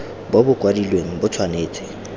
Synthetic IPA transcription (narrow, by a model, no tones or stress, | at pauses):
bobʊkʼwadilweŋ̩bʊt͡sʰwaneːt͡sʼɪ̥